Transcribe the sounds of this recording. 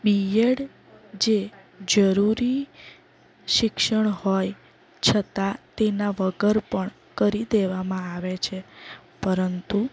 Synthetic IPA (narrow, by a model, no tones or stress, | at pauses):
bijeɽ | d͡ʒe | d͡ʒəɾuɾi | ʃɪkʃəɳhoj | t͡ʃʰət̪at̪enaʋəɡəɾpəɳ | kəɾid̪eʋamãaʋet͡ʃʰepəɾənt̪u